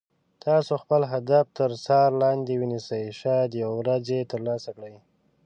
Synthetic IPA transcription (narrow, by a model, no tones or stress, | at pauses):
t̪ʰɑsoxpəlɦad̪aft̪əɾsɑɾlɑnd̪ewənisəjʃɑd̪jawɾazet̪əɾlɑsakɽəj